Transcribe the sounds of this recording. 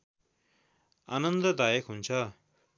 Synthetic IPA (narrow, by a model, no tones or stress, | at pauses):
a̰nʌnd̪ʌd̪ajʌkɦunt͡sʰʌ